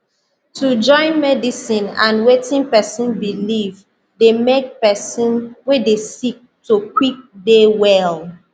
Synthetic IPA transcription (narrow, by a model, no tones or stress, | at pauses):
tʰud͡ʒɔ̃ɪ̃nmɛdisĩnã̰nwetĩŋpɛsĩnbiliv | demek̚pɛsĩnwedesik̚tukwik̚dewɛl